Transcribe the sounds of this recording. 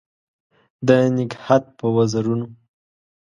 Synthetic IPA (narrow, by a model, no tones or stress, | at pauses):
d̪ənɪɡhat̪̚pəwazaɾuno